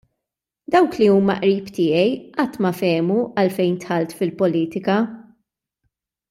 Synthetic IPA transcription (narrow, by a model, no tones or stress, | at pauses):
d̪ɐwkliuːmɐ̰ʔɾiːpt̪ɪːɛjʔɐt̪ːmɐfɛːmuɐlfɛjnt̪ħɐlt̪fɪlpɔliːt̪ɪkɐ